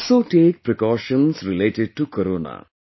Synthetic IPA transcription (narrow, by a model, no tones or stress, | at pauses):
soːʈeːk̚pɾikɔːʃə̃nsɾileʈɪɖ̚ʈukəɾoːna̰